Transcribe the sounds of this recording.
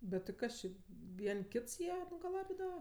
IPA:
bʲɛt tʲɪ ˈkɐs t͡ʃʲɪ ˈʋʲiɛnʲ ˈkʲɪts ˈjiɛ nʊɡɐˈlˠɑːbʲɪdɐʋɐ

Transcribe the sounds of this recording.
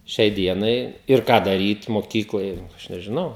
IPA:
ˈʃʲɛɪ ˈdʲiɛnɐɪ ɪr ˈkɑː dɐˈrʲiːt moːˈkʲiːklˠoːj ˈɐʃ nʲɛʒʲɪˈnɐʊ

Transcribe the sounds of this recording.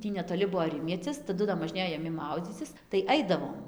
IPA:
ˈtʲiː nʲɛtoːˈlʲɪ ˈbʊʋoː ˈrʲɪmʲiɛt͡sʲɪs tɐˈdʊ dɐ moːʒʲˈnʲeːjoː jɛˈmʲɪ ˈmɐʊd͡zʲiːt͡sʲɪs tɐɪ ˈɐɪdɐʋoːm

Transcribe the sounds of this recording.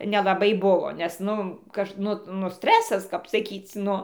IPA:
nʲɛlˠɐˈbɐɪ ˈbʊʋoː nʲɛs ˈnʊ ˈkɐʃ ˈnʊ nʊ ˈsʲtʲrʲæːsɐs kɐp sɐˈkʲiːt͡sʲ ˈnʊ

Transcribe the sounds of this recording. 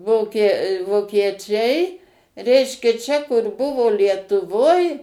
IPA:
ˈʋoːkʲiɛ ʋoːkʲiɛˈt͡ʃʲɛɪ ˈrʲɛɪʃʲkʲɛ t͡ʃʲɛ kʊr ˈbʊʋoː lʲiɛtʊˈʋoːj

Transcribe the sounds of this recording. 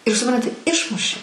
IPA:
ɪr sʊˈprɐnʲtʲɪ ˈɪʃmʊʃʲɪ

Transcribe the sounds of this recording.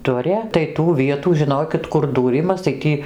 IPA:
ˈdʊrʲɛ tɐɪ tuː ˈʋʲiɛtuː ʒʲɪˈnoːkʲɪt kʊr duːˈrʲɪmɐs tɐɪ ˈtʲiː

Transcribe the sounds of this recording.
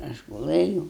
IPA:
ˈɐʃ ɡʊˈlˠɘjuːʊ

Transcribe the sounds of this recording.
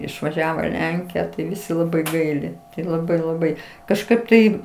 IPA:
ɪʃʋɐˈʒʲæːʋoː ɪ ˈlʲɛŋʲkʲɪjɛ tɐɪ ˈʋʲɪsʲɪ ˈlˠɑːbɐɪ ˈɡɐɪlʲɪ tɐɪ lˠɐˈbɐɪ lˠɐˈbɐɪ kɐʃˈkɐɪp tɐɪ

